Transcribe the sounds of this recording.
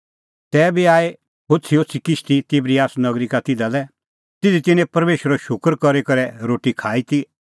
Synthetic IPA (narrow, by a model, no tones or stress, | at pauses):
t̪ɛːbiaːe | ɦʊt͡sʰiosʰikɪt͡ʃʰt̪it̪ɪbɾiaːsnɐɡɾikat̪ɪd̪alɛ | t̪ɪd̪it̪ɪnɛ̃pɐɾmeːʃəɾɛʃʊkəɾkɔɾikɐɾɛɾoːʈikʰaːit̪i